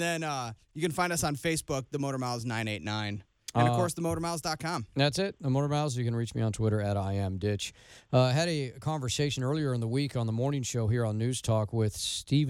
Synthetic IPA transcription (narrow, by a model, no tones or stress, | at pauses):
ðɨ̃nʌjɨkɨ̃nfãɪ̃ndʌsn̩feɪsb̥ʊk̚ðəmoʊɾə˞maʊlˠznãɪ̃neɪtⁿnãɪ̃ñ | ʌvkʰɔɹsðəmoʊɾə˞maʊlˠzdɑt̚kʰɑ̃mðætsɪt̚ðəmoʊɾə˞maʊzjɨkɨ̃nɹit͡ʃmḭə̃ntʰw̥ɪɾə˞ɨɾaɪɛ̃mdɪt͡ʃʌɨɾɨkʰɑ̃ɱvə˞seɪʃɨ̃nɜ˞lˠiə˞ɨ̃nðəwikn̩ðəmɔɹnɪ̃ŋʃoʊɦiɹə̃nːʉz̥tʰɔkwɪð̥stiv